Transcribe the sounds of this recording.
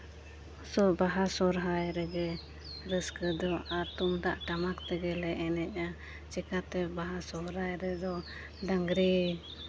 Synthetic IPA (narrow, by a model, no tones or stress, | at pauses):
sɔbaɦasɔɾɦajɾɛɡɛ | ɾəskəd̪ɔat̪umd̪aʔʈamakt̪ɛɡɛlɛɛnɛc̚ˀa | t͡ʃɛkat̪ɛbaɦasɔɾajɾɛd̪ɔ | d̪aŋɡɾi